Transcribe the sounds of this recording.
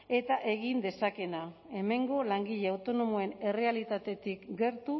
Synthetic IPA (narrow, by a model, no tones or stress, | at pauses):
e̞t̪aʔe̞ɣind̪e̞sake̞na | e̞me̞ŋɡo̞laŋɡiʎe̞awt̪o̞no̞moe̞ne̞re̞alit̪at̪e̞t̪ikɡe̞ɾt̪u